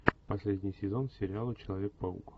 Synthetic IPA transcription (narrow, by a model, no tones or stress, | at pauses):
pɐsʲlʲedʲnʲɪjsʲɪzonsʲɪɾʲɪalˠət͡ɕɪlˠɐvʲek̚pə̰k